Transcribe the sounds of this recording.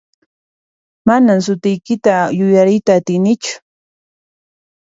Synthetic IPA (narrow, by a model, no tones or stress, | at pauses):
manams̬ʊt̪ɪjkɪt̪ajʊjaɾɪjt̪aːt̪ɪjnɪt͡ʃʊ̥